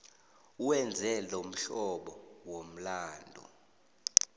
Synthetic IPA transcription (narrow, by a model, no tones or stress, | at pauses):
uwɛnd͡zʱɛlom̩ɬɔɓɔwom̩laːndʱṵ